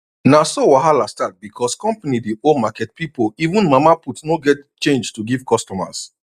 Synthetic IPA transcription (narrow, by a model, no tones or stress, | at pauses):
nasowaɦalastat̚bikʰɔskɔ̃mpanidiomakɛt̚pipoivũnmamaputnoɡɛtt͡ʃẽnd͡ʒtuɡiv̥kɔstɔma̰s